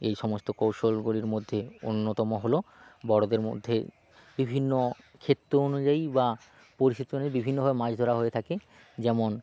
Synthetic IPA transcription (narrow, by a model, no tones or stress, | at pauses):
ejʃɔmost̪okowʃolɡuliɾmod̪ʱːeo̰nːot̪ɔmoɦolo | bɔɽod̪eɾmo̰d̪ʱːḛ | bibʱinːo | kʰet̪ːoonud͡ʑaiba | poɾiʃit̪oneɾbibʱinːoɦabemad͡ʑʰʱd̪ʱoɾaɦoet̪ʰake | d͡ʑɛmon